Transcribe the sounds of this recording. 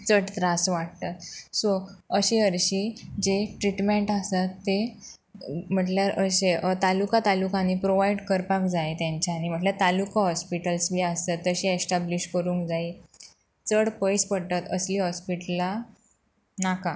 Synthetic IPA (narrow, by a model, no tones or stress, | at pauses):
t͡səɽt̪ɾasʋaʈt̪at̪soəɕeəɾɕiːd͡ʑeʈɾiʈmeɳʈasat̪ːe | m̤əʈljaɾəɕeət̪alukat̪alukanipɾoʋajɖkəɾpakd͡zajet̪jãɲt͡ɕaːñim̤əʈljaɾt̪alukaɦɔspiʈəlsmiːasat̪ːəɕiesʈabliɕkəɾũŋkd͡zai | t͡səɽpəjspəɽt̪at̪əsliːɦɔspiʈla | naka